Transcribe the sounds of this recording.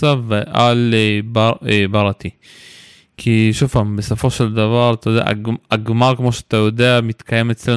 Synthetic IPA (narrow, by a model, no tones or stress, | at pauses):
saveʔalbaebaʁat̪i | kʰiʃufambesofo̞ʃeld̪avaʁat̪ajod̪ḛa̰ʔɡaɡmaʁkmoʃeat̪ajod̪eamit̪kʰajemet͡sle